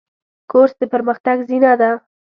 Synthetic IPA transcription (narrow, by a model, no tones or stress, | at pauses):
koɾsd̪əpəɾməxt̪aɡzinad̪a